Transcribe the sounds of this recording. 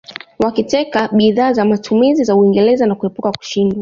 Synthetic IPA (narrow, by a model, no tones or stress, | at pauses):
wakitɛkaɓiðaːzamatʰumizizauiŋɡɛlɛzanakuhɛpukaku̥ʃindwa